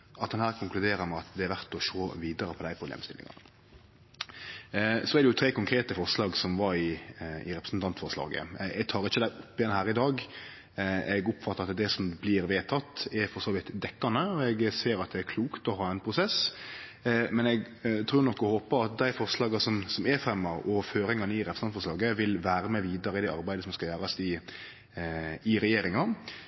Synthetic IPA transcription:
ɑt̪d̪ɛnhæːɾkʰʊŋklʉd̪eːɾəɾmɛɑt̪d̪ɛæɾʋæʁt̪ɔʃoːʋiːd̪əɾəpʰɔd̪æɪpɾʊblḛːmst̪ɪ̰lɪ̰ŋɑ̰nə | sɔæɾdɛjʊt̪ʰɾeːkʊŋkʰɾeːt̪əfɔʁslɑːɡsɔmʋɑɾɪɪ̰ɾɛpɾəsn̩t̪ʰɑnt̪fɔʁslɑ̰ːɡə̰ɛɡ̚t̪ʰɑːɾɪçːəd̪æɪʔʊpːɪjɛnhæːɾɪd̪ɑːɡ | ɛɡʊpːfɑt̪ːəɾɑt̪d̪ɛsɔmblɪɾʋeːt̪ʰɑt̪ːɛɾfɔʁsoːʋɪt̪d̪ɛkːɑnəɔɛɡseːɾɑt̪̚d̪ɛæɾkʰluːkt̪ɔɦɑːɛnpʰɾʊsɛs | mɛnɛɡ | t̪ʰɾuːɾnɔkːɔhoːpəɾɑt̪̚d̪æɪfɔɾslɑːɡɑsɔmsɔmɛɾfɾɛmːɑɔføːɾɪŋɑnəɪɾɛpʰɾsnɑnt̪fɔɾslɑːɡəʋɪlʋæːɾəmɛʋiːd̪ɑɾəɪd̪ɛɑ̰ɾbæɪd̪əsɔmskɑjæːɾɑsɪ | ɪɾɛjeːɾɪŋɑ

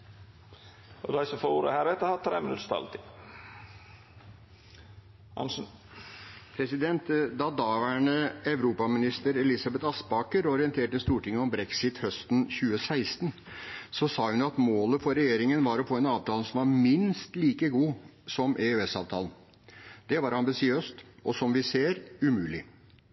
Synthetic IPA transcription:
ɔd̪æɪsɔmfoːɾuːɾə̰hæːɾɛt̪ːəhɑɾt̪ʰɾḛːmɪnʉ̰t̪st̪ɑ̰lt̪ɪ | ɑ̰nʂ | pʰɾɛsɪd̪ɛnt̪d̪ɑd̪ɑːʋæɳəɛʋɾuːpɑmɪnɪst̪əɾɛlɪsɑbɛt̪ɑspɑːkəɾɔɾɪɛnt̪ʰeːʈəst̪uːʈɪŋːəɔmbɾɛksɪt̪hœst̪n̩çʉːəsæɪst̪n | sɔsɑːhʉnjʊɑt̪moːləfɔɾɛjeːɾɪŋənʋɑɾɔfoːɛnɑːʋt̪ʰɑːləsɔmʋɑɾmɪnst̪liːkəɡuː | sɔmʔɛøɛsɑːʋt̪ʰɑ̰ːln | d̪̥ɛʋɑɾɑmbɪsɪøːst̪ɔsɔmʋɪseːɾʉmʉːlɪ

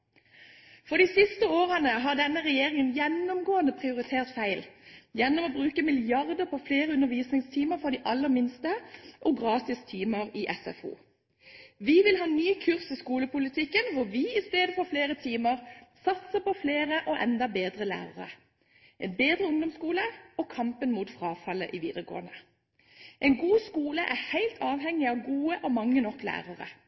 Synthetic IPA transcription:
fɔd̪iːsɪst̪əoːʁənəɦɑʁd̪ɛnːəʁɛjeːʁɪŋənjɛnɔmɡoːənd̪əpʰʁɪʊʁɪt̪ʰeːʁt̪fæɪljɛnːɔmɔbʁʉːkəmɪlɪɑʁd̪əʁpʰɔfleːʁəʉnəʁʋiːsnɪŋst̪ʰiːməɾfɔd̪iːʔɑlːəʁmɪnst̪əʔoɡʁɑːt̪ɪst̪ʰiːməʁɪːʔɛsɛ̰fṵː | ʋɪʋɪlɦɑːnyːkʰʉʁsɪskuːləpʊlɪt̪ʰɪkːənʋʊʋɪɪst̪eːd̪əfɔɾfleːʁət̪ʰiːməʁsɑt̪səpɔfleːʁəʔɔʔɛnd̪ɑbeːd̪ʁəlæ̰ːɾəʁə̰ | ʔɛnbeːd̪ʁəʊŋd̪ɔmskuːləɔkʰɑmpənmuːt̪fʁɑːfɑlːə̰ʔɪʋiːd̪əʁɡo̰ːʁənə | ʔɛnɡuːskuːləʔæʁhæɪlt̪ʰɑːʋhɛŋːɪɑːʋɡuːəʔɔmɑŋːənɔklæ̰ːʁəʁə̰

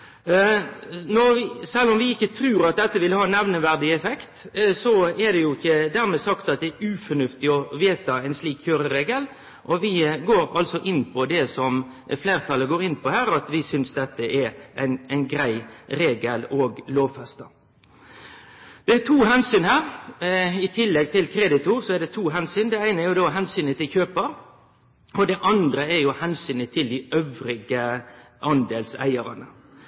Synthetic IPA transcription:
nɔɾʋɪsɛlːɔmʋɪɪçːət̪ʰɾʉːɾɑt̪̚d̪ɛt̪ːəʋɪlhɑːnɛʋnəʋæɾd̪ɪɛfɛkt̪sɔɛd̪ɛjʊɪçːəd̪æːɾmɛːsɑkt̪ɑt̪̚d̪ɛːɾʉːfɔnʉft̪ɪɔʋeːt̪ɑæɛɪnsliːkçøːɾəɾeːɡəl | ʔɔʋɪɡoːɾɑ̰lsɔʔɪnːpʰɔd̪ɛsɔm | fleːɾt̪ʰɑlːəɡoːɾɪnːpʰɔhæːɾɑt̪ʋɪsʏnsd̪ɛt̪ːəʔɛɾʔæɪnæɪnɡɾæɪɾeːɡəlɔːɡloːʋfɛst̪ɑ | d̪̥ɛæt̪ʰuːhɛnsyːnhæːɾ | ɪt̪ʰɪlːɛɡ̚t̪ʰɪlkʰɾɛd̪ɪt̪ʊɾsɔɛɖ̪ɛt̪ʰuːɦɛnsyːnd̪ɛæɪnəæjʊd̪ɔːɦɛnsyːnət̪ʰɪlçøːpəɾ | ɔd̪ɛʔɑnd̪ɾəɛɾjʊhɛnsyːnət̪ʰɪld̪ɪʔøʋɾɪɡə | ʔɑnd̪eːlsæ̰ɪəɾɑnə

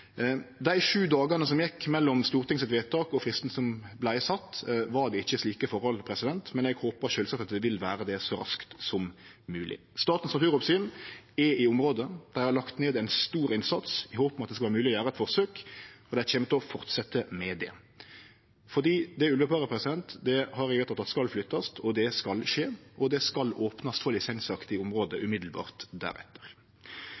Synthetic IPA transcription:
d̪æɪʂʉːd̪ɑːɡɑnəsɔmjɛkːmɛlːɔmst̪uːʁt̪ʰɪŋsɪt̪ʋeːt̪ɑːkɔfɾɪst̪n̩sɔmblæɪsɑt̪ːʋɑɾd̪ɛɪçːəsliːkəfɔɾhɔlpʰɾɛsɪd̪ɛnt̪mɛnɛɡhoːpəɾʃøːlsɑk̚t̪ɑt̪̚d̪ɛʋɪlʋæːɾəd̪ɛsɔɾɑ̰skt̪sɔmːʉːlɪ̰ | st̪ɑːt̪n̩snɑt̪ʰʉːɾɔpsyːnɛɪʊmɾoːd̪əd̪̥æɾhɑɾlɑkt̪neːd̪æɪnst̪uːɾɪnsɑt̪sɪhoːpmɛɑt̪d̪ɛskɑlæːɾəmʉːlɪɔjæːɾəɛt̪fɔʁsøːkɔd̪ɛæçɛmət̪ɔfɔʁt̪sɛt̪ːəmɛd̪ɛ̰ | fɔd̪iːd̪ɛʉlʋəpʰɑːʁəpʰʁɛsɪd̪ɛnt̪d̪ɛhɑɾɛʋɛt̪ːɑt̪ʰːɑt̪skɑlflʏt̪ːɑst̪ʰɔd̪ɛskɑlʃeːʔɔd̪ɛskɑloːpnɑst̪fɔlɪsɛɪnsɑkt̪ɪʊmʁoːd̪əʔʉmɪd̪l̩bɑ̰ːʁt̪d̪æ̰ɾɛ̰t̪ʰːə̥ʁ

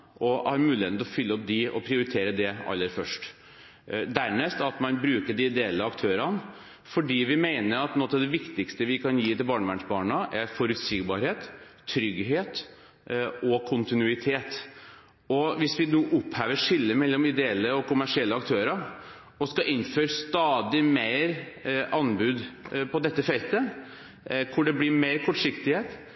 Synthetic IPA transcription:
ʔɔhɑɾmʉːɪet̪nɔfʏlːəɔp̚d̪ɪɔ̰pʰɾɪʊɾɪt̪ʰeːɾəd̪ɛɑ̰lːəɾfœʂʈ | d̪æɾɳɛst̪ɑt̪mɑnbɾʉːkəɖɪɪd̪ɛɛlːəɑkt̪ʰøːɾɑn | fɔɖiːʋɪmeɪnəɾɑt̪nɔt̪ɑʋd̪ɛʋɪkt̪ɪkst̪əʋɪkʰɑnjiːt̪ɪlbɑːɳəmæɳʂbɑːɳɑʔæɾfɔɾʉt̪siːɡbɑːɾheːt̪ʰːɾʏɡɦeːt̪ | ɔkʰʊnt̪ɪnʉɪt̪ʰeːt̪ | ɔʋɪsʋɪnuːʔʊphæːʋəʂɪlːəmɛlːɔmɪd̪ɛɛlːəɔkʊmæʂɪɛlːəɑk̚t̪ʰøːɾɑ | ɔskɑʔɪnːføːɾst̪ɑːd̪ɪmeɪɾ | ɑnbʉːd̪pʰɔd̪ɛt̪ːəfɛlt̪ə | kʰʊɖɛblɪɾmeːɾkʰɔʈʂɪkt̪ɪheːt̪

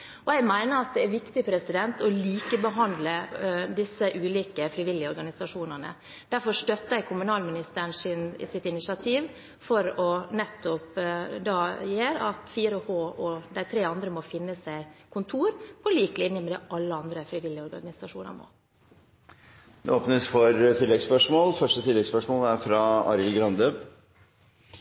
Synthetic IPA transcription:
ɔæɪɡmæɪnəɾɑt̪̚d̪ɛæɾʋɪkt̪ɪpʰɾɛsɪd̪ɛnt̪ɔliːkəbəɦɑnd̪ləd̪ɪsːəʔʉːliːkəfɾɪʋɪlːɪəɔɾɡɑnɪsɑʂuːnənə̰ | d̪̥æɾfɔʂt̪œt̪ːəæɪkʰʊmʉnɑːlmɪnɪst̪əɾəɳʂɪn̰sɪt̪ɪnɪsɑt̪ʰiːʋ | fɔɾɔnɛt̪ːɔpd̪ɑːjeːɾɑ̰t̪fiːɾəhoːɔd̪æɪt̪ʰɾeːɑnd̪ɾəmɔfɪnːəsæɪkʰʊnt̪ʰuːɾpʰɔliːklɪnːəmɛd̪ɛːʔɑlːəɑnd̪ɾəfɾɪʋɪlːɪɔɾɡɑ̰nnɪsɑʂuːnə̰ɾmo̰ː | d̪ɛ̰oːpnəsfɔɾt̪ʰɪlːɛɡspœʂmoːlfœʂʈət̪ʰɪlːɛɡspœʂmoːlæɾfɾɑɑ̰ɾɪlɡɾɑnd̪ø

